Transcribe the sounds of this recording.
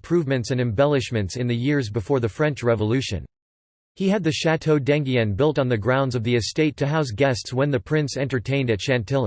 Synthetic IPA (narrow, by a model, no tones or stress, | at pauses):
pʰɹ̥ʉvmɨ̃ntsɨ̃nɨ̃mbɛlˠɨʃmɨ̃ntsɨ̃nðɨjɪɹzbɨfɔɹðɨfɹɛ̃nt͡ʃɹɛvəlʉʃɨ̰̃n | hiɨd̪̚ðɨʃætʰoʊdæ̃ŋɡiɨ̃nbɪlˠtn̩ðɨɡɹãʊ̃ndzʌvðiɨsteɪtʰɨɦaʊs̬ɡɛstswə̃nðɨpʰɹ̥ɪ̃nsɛ̃ntə˞tʰẽɪ̃ndɨtʃæ̃ntʰɪlˠ